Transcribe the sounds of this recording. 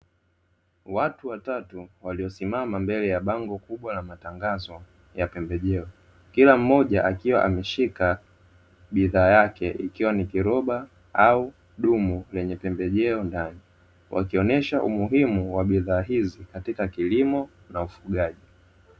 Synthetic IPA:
watuwatatuwaliɔsimamambɛlɛjaɓaŋɡɔkuɓwalamataŋɡazɔ | japɛmbɛʄɛɔ | kilam̩ːɔʄaʔakiwa̰ʔa̰mɛʃika | ɓiðaːjakɛʔikiwanikiɾɔɓa | au | ɗumulɛɲɛpɛmbɛʄɛɔndani | wʔa̰kiɔnɛʃaʔumuɦimuwaɓiðaːɦizikatikakilimɔ | naufuɠaʄi

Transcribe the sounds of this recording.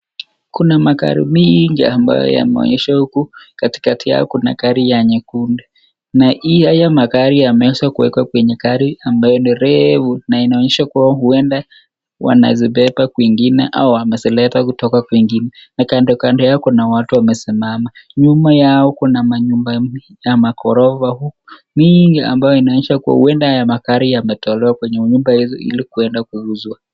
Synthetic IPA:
kunamaka̰ɾḭmiŋɡa̰amba̰jɔ̰ja̰mɛ̰ɔ̰ɲɛʃahukukati̥katija̰ɔ̰kuna̰kaɾijaɲɛkunda | naihajamakaɾijamɛswakuwɛkwakwɛɲɛkaɾiambajɔniɾɛvunainaɔɲɛʃakawahuɛnda | wa̰na̰ziɓɛpakwiŋɡinɛʔauamɛsilɛtakutɔkakwiŋɡinɛnakandɔkandɔjakɔnawatuwamɛsimamaɲumajaɔkunamaɲumba | jamakɔɾɔvahukɔmiŋɡia̰mbajɔinaɔɲɛʃakua̰huɛndaajamakaɾijamɛtɔlɛwakwɛɲɛuɲumbahizɔḭlikuɛndakuuzwa

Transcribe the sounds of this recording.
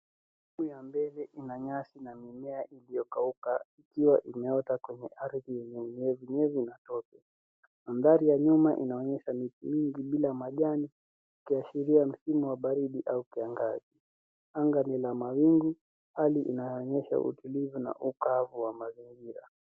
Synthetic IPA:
iɓujambɛlɛʔinaɲasinamimɛaʔilijɔkaukaikiwaʔimɛɔtakwɛɲɛ̰ʔaɾðijɛɲɛuɲɛvuɲɛvinatɔkɛ | manðaɾijaɲumaʔḭnaɔɲɛʃamitimiŋɡiɓilamaʄani | ukiaʃiɾiam̩simuwaɓaɾiɗiʔaukiaŋɡazi | aŋɡanɛlamawiŋɡu | haliʔinajɔːɲɛʃa̰ʔṵtulivuna̰ʔukavuwamaziŋɡiɾa̰

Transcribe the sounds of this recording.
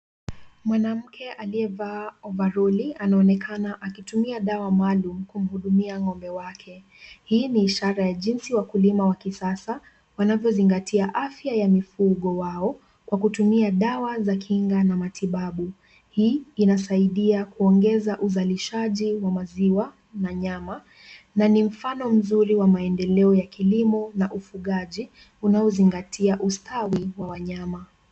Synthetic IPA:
mwanam̩kʰɛʔaliɛvaɔvaɾɔlianaɔnɛkʰanaʔakitumiaɗawamalum̩kum̩huɗumiaŋɔmbɛwakʰɛ | hiːniːʃaɾajaʄinsiwakulimawakisasa | wanavjɔziŋɡatʰiaʔafjajamifuɠɔwaɔ | kwakutumiaɗawazakʰiŋɡanamatʰiɓaɓu | hiːnasaiɗiakuɔŋɡɛzaʔuzaliʃaʄiwamaziwa | naɲama | nanim̩fanɔm̩zuɾiwamaɛndɛlɛɔjakilimɔnaʔufuɠaʄi | unaɔziŋɡatʰiaʔustʰawiwawaɲama

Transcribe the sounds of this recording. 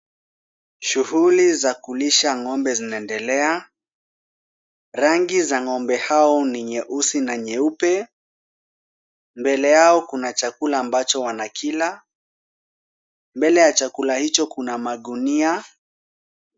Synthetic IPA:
ʃuhulizakuliʃaŋɔmbɛzinaɛndɛlɛa | ɾaŋɡizaŋɔmbɛhaɔniɲɛʔusinaɲɛupɛ | mbɛlɛjaɔkunat͡ʃakulaːmbat͡ʃɔwanakʰila | mbɛlɛjat͡ʃakulahit͡ʃɔkunamaɗunia

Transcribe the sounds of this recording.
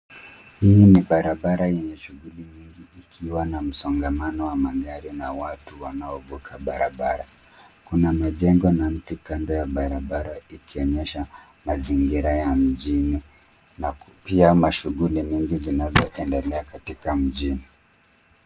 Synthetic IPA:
hiniɓaɾaɓaɾajɛɲɛʃuɣulimiŋɡiːkʰiwanam̩sɔŋɡamanɔwamaɡaɾinawatuwanaɔvukʰaɓaɾa̰ɓaɾa | kunamaʄɛŋɡɔnam̩tikamdɔjaɓaɾaɓaɾaikiɔɲɛʃa | maziŋɡiɾajam̩ʄini | napiamaʃuɣulimiŋɡizinazɔʔɛndɛlɛakatikam̩ʄini

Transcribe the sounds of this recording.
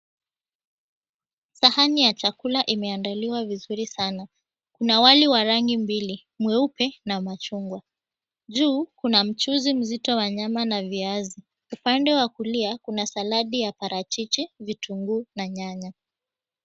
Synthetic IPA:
sahanijat͡ʃakulaʔimɛandaliwavizuɾisana | kunawaliwaɾaŋɡimbili | mwɛupɛnamat͡ʃuŋɡwa | ʄuːkunam̩t͡ʃuzim̩zitɔwaɲamanaviazi | upandɛwakuliakunasalaɗijapaɾʔat͡ʃit͡ʃivitʰuŋɡunaɲaɲa

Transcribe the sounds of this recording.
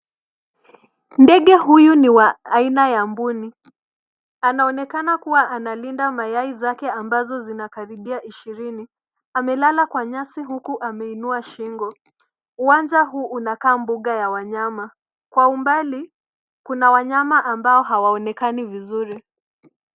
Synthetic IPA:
ndɛɠɛɦujuniwaainajambuni | anaɔnɛkanakuwaʔanalindamajaizakɛambazɔzinakaɾiɓiaʔiʃiɾini | amɛlalakwaɲasiɦukuʔamɛinuaʃiŋɡɔ | uwand͡ʒaɦuːʔunakaːmbuɠajawaɲama | kwaumbali | kunawaɲamaʔambaɔɦawaɔnɛkanivizuɾi

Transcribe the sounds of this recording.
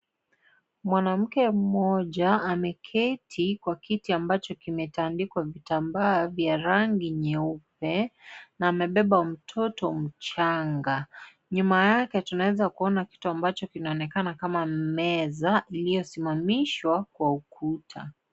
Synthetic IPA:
mwanam̩kɛm̩mɔʄaːmɛkʰɛtʰikwakʰitiambat͡ʃɔkimɛtandikwavitambaːvjaɾaŋɡiɲɛupɛnaːmɛɓɛɓam̩tʰɔtɔm̩t͡ʃaŋɡa | ɲumajakɛtunawɛzakuɔnaki̥tuambat͡ʃɔkinaɔnɛkanakamamɛzaʔilijɔsimamiʃwakwaukʰutʰa

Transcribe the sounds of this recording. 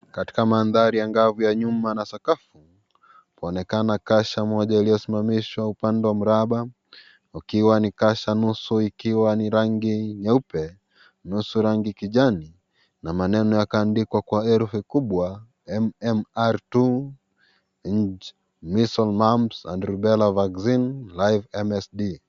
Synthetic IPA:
kati̥kamanðaɾijaŋɡavujaɲumanasakafu | pɔnɛkanakaʃamɔʄailijɔsimamiʃwaupandɛwam̩ɾaɓa | ukiwanikaʃanusuikiwaniɾaŋɡiɲaupɛ | nusuɾaŋɡikiʄani | namanɛnɔjakaːndikwakwaɛɾfukuɓwa | ɛmɛmaɾtu | ɲ̩d͡ʒ | misɔlmamsa̰ndɾuɓɛlavaɡzinlajvɛmɛsɗi

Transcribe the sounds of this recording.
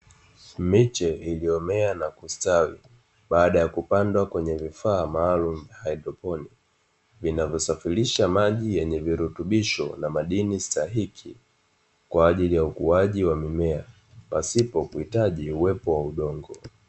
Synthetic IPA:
mit͡ʃɛiliɔmɛanakustawḭ | ɓaːɗajakupandwakwɛɲɛvifaːmaːlum̩vjahajdɾɔpɔni | vinavjɔsafiliʃamaʄijɛɲɛviɾutuɓiʃɔ̰namaɗinistaɦikʰi | kwaːʄilijaukuaʄiwamimɛa | pasipɔkuhitaʄiuwɛpɔwauɗɔŋɡɔ

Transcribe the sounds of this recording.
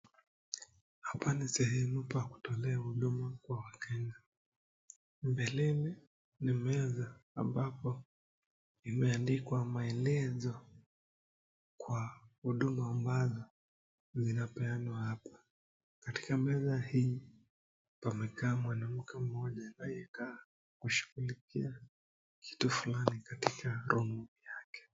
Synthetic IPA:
hapanisɛhɛmupaku̥tɔlɛahuɗumakwawakɛŋɡa | mbɛlɛlɛ | nimɛza̰ːmbapɔ | imɛandikwamaɛlɛzɔ | kwahuɗumaːmbazɔ | zinapɛanwahapḁ | kati̥kamɛzahiː | pamɛkaːmwanam̩kɛm̩ɔʄanaijɛkaː | kuʃu̥ɣulikḭa | kʰi̥tufulanikatikʰaɾʔɔmujakɛ̥

